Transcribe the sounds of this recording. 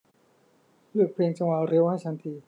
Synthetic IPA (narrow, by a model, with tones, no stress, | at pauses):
lɯː˧˩pʰleː˧ŋt͡ɕa˧ŋwa˨˧˩ɾi˧˦˥wha˥˩jt͡ɕʰa˦˥nt̪ʰiː˧